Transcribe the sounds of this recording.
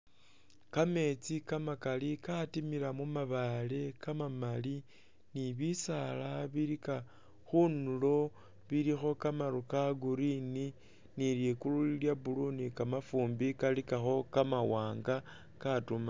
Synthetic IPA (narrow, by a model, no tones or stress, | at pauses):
kame̞t͡sikamakalikatimilamumaβale̞kamamali | niβisalaβiɾika | xunulo̞ | βiɾixo̞kamaɾukaɡuɾini | niljekululiljabulunikamafuːmbikalikaxo̞kamawaːŋɡa | katuma